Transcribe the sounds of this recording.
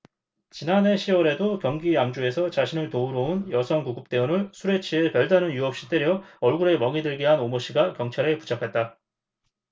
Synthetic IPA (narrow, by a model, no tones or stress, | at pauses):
t͡ɕinane̞ɕʰiwʌɾe̞dokjʌŋɡiamd͡ʑue̞sʰʌt͡ɕaɕʰinɯɭtouɾounjʌsʰʌŋkuɡup̚t͈e̞unɯɭsʰuɾe̞t͡ɕʰiepjʌɭdanɯnjuʌp̚ɕ͈it͈eɾjʌʌɭɡuɾe̞mʌŋidɯɭɡiɦanomoɕ͈ʰiɡakjʌŋt͡ɕʰaɾe̞pu̥t͡ɕʰakʰet̚t͈a